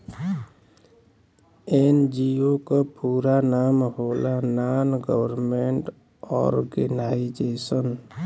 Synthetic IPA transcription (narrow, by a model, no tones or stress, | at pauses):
end͡ʒiokapuːɾanaːmɦoːlanaːnɡəwəɾmẽɳʈ | ɔ̰ːɾɡɪnaːid͡ʒeːsən